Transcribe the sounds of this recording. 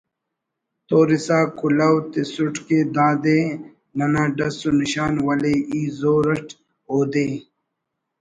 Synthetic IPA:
t̪oːɾisaːkulɐwt̪esuʈked̪aːd̪eː | nɐnãːɖɐsuniɕaːnwɐleʔiːzoːɾɐʈ | oːd̪eː

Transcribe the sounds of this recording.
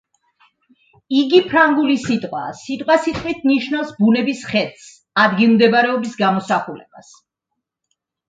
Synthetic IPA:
iɡipʰɾaŋɡulisit̪ʼqʼwa̰sit̪ʼqʼwasit̪ʼqʼwit̪ʰniʃnavsbunɛbisχɛd̪s | ad̪ɡilˠmd̪ɛbaɾɛɔbisɡamɔsaχulɛ̰b̥as

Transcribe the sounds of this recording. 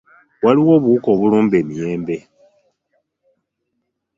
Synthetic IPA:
waliwo̞ːβuuko̞ːβuluːmbe̞ːmijeːmbe̞

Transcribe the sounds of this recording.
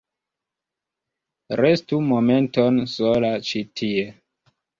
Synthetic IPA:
ɾe̞stumo̞me̞nto̞nsolat͡ʃitʰie̞

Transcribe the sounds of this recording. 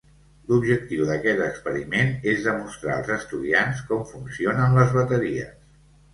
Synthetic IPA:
lubʒək̚t̪iwðəkɛt̪əkspəɾimenezðəmust̪ɾa̰ə̰lˠzəst̪uðianskɔmfunsionənləzβət̪əɾiə̰s

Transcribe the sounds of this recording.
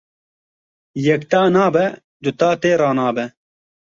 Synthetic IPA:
jɛkt̪aːnaːbɛ | d̪ʊt̪aːt̪eːɾaːnaːbɛ

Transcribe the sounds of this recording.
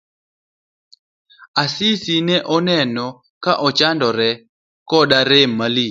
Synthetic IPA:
asisinɛʔɔnɛnɔ | kaʔɔt͡ʃandɔɾɛ | kɔdaɾɛmali

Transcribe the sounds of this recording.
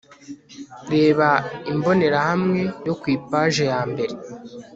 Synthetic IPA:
ɾe̞ːβaimbo̞ne̞ɾahamŋe̞jo̞kwiːpaːʒejaːmbe̞ɾe̞

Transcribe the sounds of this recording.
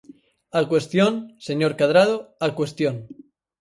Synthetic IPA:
alkwe̞st̪jonseɲoɾkaðɾað̞oalkwest̪jon

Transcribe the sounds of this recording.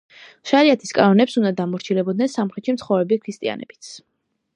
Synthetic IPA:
ʃaɾiat̪ʰi̥skʼanɔnɛpsund̪ad̪amɔɾt͡ʃʰilɛbɔd̪̚nɛnsamχɾɛt̪ʃimt̪sʰχɔvɾɛbikʰɾist̪ʼia̰nɛ̰b̥i̥t̪sʰ

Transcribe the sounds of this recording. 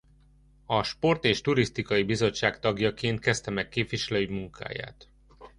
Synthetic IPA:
ɒʃpo̞rt̪eːʃt̪uɾist̪ikɒibizo̞t͡ʃːaːkt̪ɒɡjɒkeːnt̪̚kɛst̪ɛmɛkːeːpʋiʃɛløːmuŋkʰa̰ːja̰ːt̪

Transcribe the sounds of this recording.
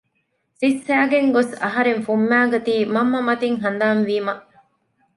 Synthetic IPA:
sisːæːɡeŋɡosɐɦɐɾeŋfumːæːɡɐt̪iːmɐmːɐmɐt̪iŋɦɐnd̪aːnʋiːmɐʔ

